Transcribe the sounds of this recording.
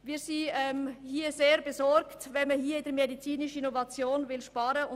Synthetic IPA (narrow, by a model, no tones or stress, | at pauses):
viːsiɛmhiːɐzeːɾbezɔɾktvɛnməhiːɐɪdɛmedit͡siːnɪʃən̩inovɑt͡sjoːnvɪlʃpɑːɾəʊ